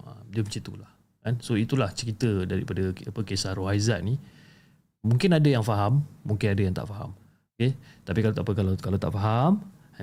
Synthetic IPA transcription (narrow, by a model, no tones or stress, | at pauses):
ə̰mdəmt͡ʃit̪ṵlah | kansoit̪ulaht͡ʃəɾit̪ədaɾḭpadəapəkesahroɦajzaʔ̚nĩ | mũŋkɪnadajaŋfaɦamːũŋkɪnadajaŋt̪a̰ʔfaɦa̰m | oket̪apikalat̪apəkalakalawt̪a̰ʔfaɦam